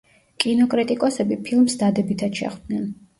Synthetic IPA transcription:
kʼinɔkʼɾit̪ʼikʼɔsɛbipʰilˠmsd̪ad̪ɛbit̪ʰat̪ʃɛ̰χd̪̥̚nɛn

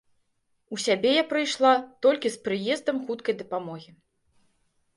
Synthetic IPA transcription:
usʲabʲɛjapɾɨjʂlˠat̪ɔlʲkʲispɾɨjɛzd̪ɐmxut̪kɐjd̪ɐpamɔɣʲi

